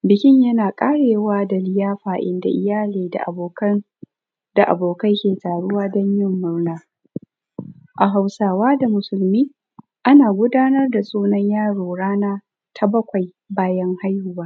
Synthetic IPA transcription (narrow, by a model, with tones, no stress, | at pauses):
bɪ˨kʲɪ˦ɲjɐ˦naː˨kʼaː˦ɽeː˨waː˦da˨lɪ˦jaː˦ɸaː˨ʔɪ̰˦nda̰˨ʔɪ˦jaː˦leː˨da̰˨ʔa˨boː˨kɐ˦n | d̥a˨ʔa̰˨boː˨kɐ˦jkʲeː˨taː˨ɽʊ˦waː˦dɔ˦ɲjɪ˦mːʊ˦rnaː˦ | ʔa˨ɦa˨wsaː˨waː˦da˨mʊ˨sʊ˨lmiː˦ | ʔa˦naː˨ɡʷʊ˦daː˦nɐ˦rda˨sʼoː˦nɐ˦ɲjaː˦ɽoː˨ɽaː˦naː˦ | tʰa˦bɐ˦kʷa˨j | baː˦jɐ˦ŋha˦jhʊ˦˨baː˦